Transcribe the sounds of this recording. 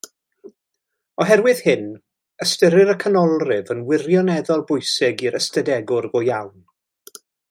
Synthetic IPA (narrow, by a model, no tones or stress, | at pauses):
ɔɦɛrwɪð̥hɪn | əstəɾɪɾəkʰənɔlˠrɪvənwɪrjɔnɛðɔlˠbʊjsɪɡiɾəstədɛɡʊrɡɔjawn